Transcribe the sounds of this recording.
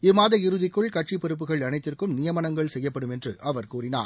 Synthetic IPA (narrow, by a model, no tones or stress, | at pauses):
ɪmaːðɐɪɾɯðɪkːɯɭkɐʈʂipɛɾɯp̬ːɯɣɐɭɐnɐɪt̪ːɪrkɯmnɪjɐmɐnɐŋɡɐɭsɛjːɐpːɐɽɯmɛndrɯʔɐʋɐɾkuːrɪna̰ːɾ